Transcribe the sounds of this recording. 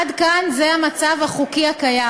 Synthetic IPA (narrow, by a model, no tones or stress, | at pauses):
dkanzeamat͡savhaχukiakaja